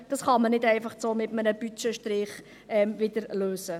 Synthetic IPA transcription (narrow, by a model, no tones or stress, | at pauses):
d̥ɑsχɑmənɪdɛɪfɑχt͡soːmɪtmənəbyt͡ʃəʃtɾɪχ | ɛmʋɪdəɾløːsə